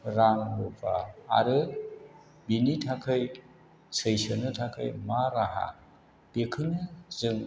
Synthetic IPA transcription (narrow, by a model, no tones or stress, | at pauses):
ɾaŋbupʰa̰ːɾɯ | binitʰakʰɯj | sɯjsɯnɯtʰakʰɯ̰jmaɾaɦa̰ | b̥ekʰɯnɯzɯŋ